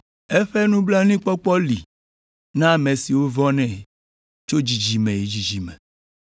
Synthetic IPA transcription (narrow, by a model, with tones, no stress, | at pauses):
e˦ɸe˦nũ˦bla˦nĩ˦k͡pɔ˦k͡pɔ˦lḭ˨ | nã˦˨mẽ˨si˨wo˦vɔ˦nɛ̃˦˨ | t͡ʃo˦d͡ʒi˨d͡ʒi˨mɛ̃˨ji˨d͡ʒi˨d͡ʒi˨mɛ̰̃˨